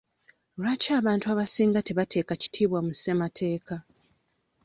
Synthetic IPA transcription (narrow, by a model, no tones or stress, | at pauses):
lacaːβaːntuaβasiːŋɡate̞βatʰe̞ːkaci̥tʰiːβwamuse̞matʰe̞ːkʰa